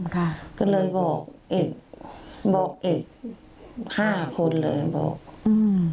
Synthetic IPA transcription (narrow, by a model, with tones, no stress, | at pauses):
kʰa˧˩kɔː˧˩lɤː˧jbɔː˨˩k̚ʔe˨˩k̚bɔː˨˩k̚ʔe˨˩k̚ | haː˥˩kʰo˧nlɤː˧jha˧˨nbɔ̰ː˨˩k̚ɯː˧